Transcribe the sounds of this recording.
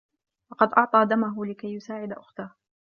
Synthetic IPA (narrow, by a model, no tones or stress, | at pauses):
wɑqɑd̪ʔɑʕt̪ˤɑːd̪amaɦʊlɪkajːʊsaːʕɪd̪aʔʊxt̪ah